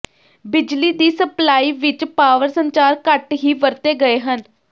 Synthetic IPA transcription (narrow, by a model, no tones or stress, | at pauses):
bɪd͡ʒliːd̪iːsəplaːiːʋɪt͡ʃpaːʋəɾsəɲt͡ʃaːɾkəʈɦiːʋəɾt̪eːɡəeːɦən